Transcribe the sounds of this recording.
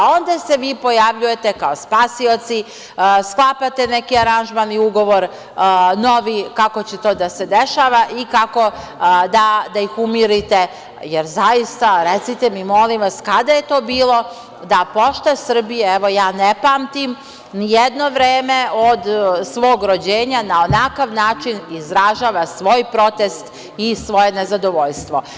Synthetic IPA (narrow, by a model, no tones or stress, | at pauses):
ao̞nd̪ase̞ʋiːpo̞jaʋʎuje̞t̪e̞kaospaːsio̞t̪si | sklˠapat̪ene̞kiaɾanʒmaniuɡo̞ʋo̞ɾ | no̞ʋikakot͡ɕet̪o̞ːd̪ased̪eʃaːʋaʔikako̞ | d̪ad̪aixumiɾit̪e | jeɾzajist̪aɾet̪sit̪emimo̞limʋaskad̪aje̞t̪o̞ːbiːlˠo̞ | d̪apo̞ʃt̪asr̩bijeeʋo̞jaːnepaːmt̪im | nijed̪no̞ʋɾeːme̞od̪sʋo̞ːɡɾod͡ʑeːɲanao̞nakaʋnaːt͡ʃinizɾaʒaːʋasʋo̞jpɾo̞t̪est̪ | isʋo̞jenezad̪oʋo̞ʎst̪ʋo̞